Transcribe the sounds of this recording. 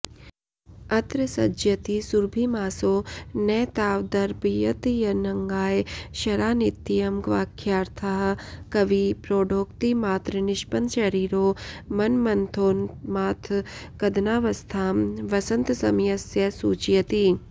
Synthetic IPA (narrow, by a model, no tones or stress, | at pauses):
ɐt̪ɾəsɐd͡ʒjɐt̪isuɾbʱiːmaːsoːnɛːt̪aːʋd̪ɐɾpijɐt̪ijɐnɐŋɡaːjʃɐɾaːnit̪ːijɐmɡʋaːkʰːjaːɾt̪ʰaɦkɐʋipɾoːɖʱoːkt̪imaːt̪ɾənɪʃpɐnʃɐɾiːɾoːmɐnmɐnt̪ʰoːnmaːt̪ʰkɐd̪naːʋɐst̪ʰaːmʋɐsɐnt̪sɐmjɐsjɐsuːt͡ʃjɐt̪iː